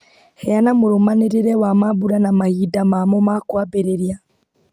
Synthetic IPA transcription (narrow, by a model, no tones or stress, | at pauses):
hɛjanamoɾomaneɾeɾɛwamaβuɾanamahidamamɔmakwabeɾeɾija